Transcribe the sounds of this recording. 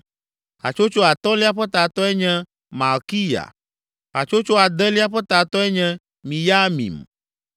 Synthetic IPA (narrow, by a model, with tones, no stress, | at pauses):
a̰˨t͡ʃo˦t͡ʃo˦a˨t̪ɔ̃˦li˦a˦ɸɛ˦t̪a˨t̪ɔ˦ɛ˦ɲɛ̃˦ | mã˨ki˦ja̰˨ | a̰˨t͡ʃo˦t͡ʃo˦a˨d̪ɛ˦li˦a˦ɸɛ˦t̪a˨t̪ɔ˦ɛ˦ɲɛ̃˦ | mĩ˨ja˦mḭ̃˨m